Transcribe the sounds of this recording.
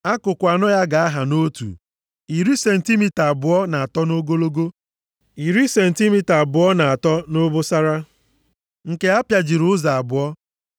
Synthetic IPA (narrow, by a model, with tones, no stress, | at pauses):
a˦kʊ˨kʷa˨nɔ˦ja˦ɡa˨a˦ɦa˨no˦tṵ˨ | i˨ɾi˦se˨n̩˨ti˦mi˦ta˨bʊ˨ɔ˦na˨a˨tɔ˦no˦ɡo˦lo˦ɡo˦ | i˨ɾi˦se˨n̩˨ti˦mi˦ta˨bʊ˨ɔ˦na˨a˨tɔ˦no˦bʊ˦sa˦ɾa˦ | ŋ̩˨ke˦a˦pja˨d͡ʒi˨ɾʊ˨ʊ˦za˨a˨bʊ˨ɔ˦